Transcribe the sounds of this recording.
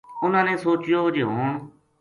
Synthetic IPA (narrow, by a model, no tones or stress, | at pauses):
ʊnãːnẽːsoːt͡ʃjoːd͡ʒeːɦoːɳ